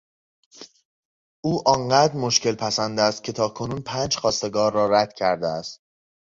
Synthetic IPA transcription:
ʔuːʔɒːɴɢæːd̪ɾmoʃce̞lpʰæsænd̪æst̪̚cʰe̞t̪ʰɒːkʰo̞nuːnpʰæːnd͡ʒxɒːst̪e̞ɡɒːɾːɒːræd̪̥cʰæɾd̪eæst̪

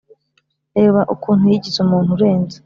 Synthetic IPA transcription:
eβaʔukuːn̥hujiɟizumuːn̥huɾe̞ːnze

